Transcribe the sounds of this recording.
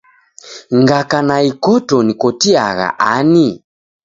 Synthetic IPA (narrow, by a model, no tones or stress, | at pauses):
ŋɡakanaikɔtɔnikɔtia̰ɣa̰ʔani